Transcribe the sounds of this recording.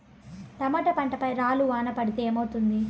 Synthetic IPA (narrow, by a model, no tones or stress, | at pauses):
t̪ɐmɐʈɐpɐɳʈɐpɐjɾaːluʋaːnɐpɐɽit̪eːmɐwut̪und̪i